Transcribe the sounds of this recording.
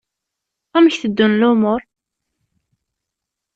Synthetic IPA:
æməçθəd̪ːunlʊmʊɾ

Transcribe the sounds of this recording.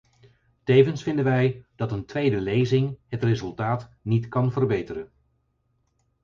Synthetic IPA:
tejvənsfɪndənʋɛjd̥ɑtəntʋejdəlejzɪŋɦətrɪzɵlˠtaːtnitkɑnvərbejtəɾən

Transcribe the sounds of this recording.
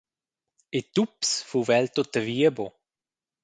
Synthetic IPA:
et̪upsfuvɛlt̪ot̪əviːəbo

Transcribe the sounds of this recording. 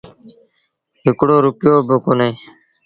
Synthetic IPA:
ɦɪkɽoːɾʊpjoːbəkʊnẽː

